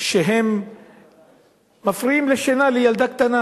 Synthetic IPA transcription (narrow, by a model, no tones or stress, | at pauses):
ʃeɦem | afɾiiːmleʃenalejald̪akt̪ana